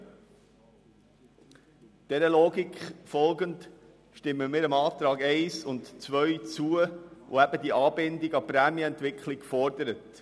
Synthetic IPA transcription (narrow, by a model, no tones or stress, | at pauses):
d̥ɛɾəloːɡikχfɔlɡənt | ʃtɪmːəmiːɾəmɑːtɾɑːɡɛɪsʊntt͡sʋœʏt͡suəʔo̰æb̥ədiʔɑːbɪndiɡɑpɾæːmiɛntʋɪkχlɪkfɔɾdəɾət